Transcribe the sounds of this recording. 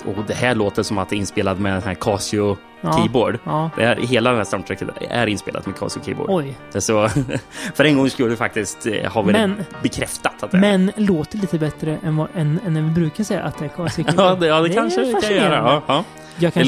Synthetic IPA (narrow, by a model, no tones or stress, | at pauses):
ud̪ɛhæɭoːt̪əʂɔmat̪̚d̪ɛɾɪnspeːlad̪mɛnsɔæːɾkʰɑːsɪʊ | kʰːiːboːɖd̪ɪ̰aɾɦeːlad̪ɛmhæːɾsamt̪ʰɾɛkːə̰t̪æ̰ɾɪnspḛːla̰d̪mɛkʰɑ̰ːsɪʊkʰḭːbo̰ːɖɔj | sɔ | fœɾɛnɡɔŋːskʉːəfak̚t̪ɪskt̪haɾvɪmɛnbɛkʰɾɛft̪at̪ːat̪d̪ɛmɛnloːt̪əɭiːt̪əbɛt̪ɾəʔɛnvɑɛnɛnːɛnvɪbɾʉ̟ːkaʂɛjːa̰ʔat̪̚d̪ɛæɾkʰɑːsɪʊk̪ːɑːd̪ɛkʰanʂəaajœːɾaɑːɑː | jɑkʰ